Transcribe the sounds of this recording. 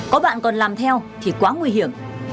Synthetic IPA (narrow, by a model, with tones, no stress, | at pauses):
kɔ˨˦ɓa̰ː˧˨nkɔ˨˩nlaː˨˩mt̪ʰɛ˧wt̪ʰi˨˩kwaː˨˦ŋwi˧hi˧˩˨əm